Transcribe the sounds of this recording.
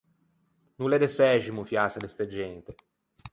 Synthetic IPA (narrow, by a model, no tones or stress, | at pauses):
nulɛd̪esɛʒimufjasad̪est̪ed͡ʒɛnt̪e